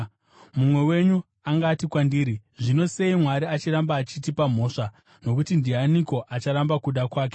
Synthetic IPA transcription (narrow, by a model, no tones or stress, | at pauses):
mumwe̞we̞ɲu | aŋɡaːtikwandiːɾiʐino̞se̞imwaɾiat͡ʃiɾambaːt͡ʃitipam̤o̞ːʂa | no̞kutindianiko̞ʔat͡ʃaɾambakuɗakwaːk̬e